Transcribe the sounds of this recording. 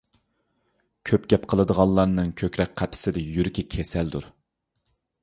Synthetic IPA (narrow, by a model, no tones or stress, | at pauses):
kʲʰøpɡʲɛpqʰəlˠəd̪əʁɑlˠlˠɑɾnɨŋkʲʰøkʲɾɛk̚qʰæpʰɪ̥sɪd̪ɛjyɾɪkʲʰikʲʰesɛld̪uɾ